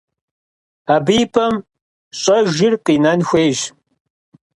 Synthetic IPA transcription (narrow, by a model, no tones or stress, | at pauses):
aːbijpʰɐm | ɕʼɐʒɪrqiːnɐnxʷeːʒ